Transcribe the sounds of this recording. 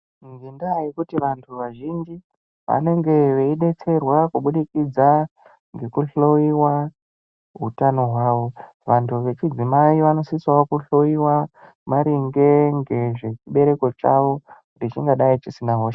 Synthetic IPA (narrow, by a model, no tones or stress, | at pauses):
ŋɡindaikutiʋantʰuʋaʒind͡ʒi | ʋa̰ne̞ŋɡe̞ʋeiɗe̞t͡se̞rwakuɓuɗikid͡za | ŋɡe̞kuɬoiwa | ɦutano̞ɦwaːʋo̞ | ʋantʰuʋe̞t͡ʃid͡zimaiʋano̞siswaokuɬo̞jiwa | maɾiŋɡe̞ŋɡe̞ʐe̞t͡ʃiɓe̞ɾe̞ko̞t͡ʃaʋo̞ | rit͡ʃiŋɡaɗait͡ʃisinaɦoːʃ